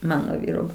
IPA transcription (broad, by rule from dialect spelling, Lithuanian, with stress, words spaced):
ˈmɑːnoː ˈʋʲiːroː